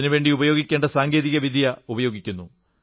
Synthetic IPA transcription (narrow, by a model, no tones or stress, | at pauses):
inuʋe̞ːɳɖiubɐjo̞ːɡikʲːe̞ːɳɖɐsaːŋɡeːðiɣɐʋid̪ʱjɐubɐjo̞ːɡikʲːunːu